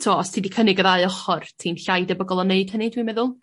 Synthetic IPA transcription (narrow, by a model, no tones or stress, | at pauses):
tʰuwaɔstʰidikʰənɪɡəðaɨɔχɔrtʰinɬajdɛbəɡɔlˠɔneɨd̥hənɨdwimɛðʊlˠ